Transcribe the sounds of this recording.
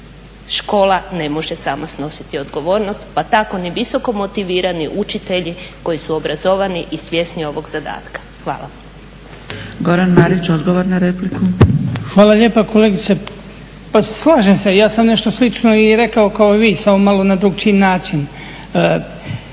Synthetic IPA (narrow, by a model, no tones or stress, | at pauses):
ʃko̞ːlane̞moʒesaːmasno̞si̥t̪io̞d̪ɡo̞ʋo̞ːɾno̞st̪pat̪ako̞niʋiso̞ko̞mo̞t̪iʋiːɾaniʔut͡ʃit̪e̞ʎiko̞isuobɾazoʋaniʔisʋʲje̞snio̞ʋo̞ɡz̥ad̪a̰ːt̪kḁxʋa̰ːla | ɡo̞ɾanmaɾit͡ɕod̪ɡoʋoɾnaɾeplikuxʋaːlˠaʎe̞ːpako̞leɡit̪se | paslˠaːʒemse̞jaːsamne̞ʃt̪o̞slit͡ʃnoiɾe̞kaokaoiʋiːsamomalo̞nad̪ɾuɡ̚t͡ʃinaːt͡ʃinː